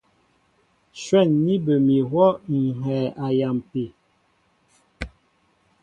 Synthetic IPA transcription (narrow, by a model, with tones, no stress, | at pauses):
ʃwɛ˦˨nːi˦bə˨mi˨ɦwɔ˦ŋ̩˨ɦɛː˨ʔa˨ja˨mpe˨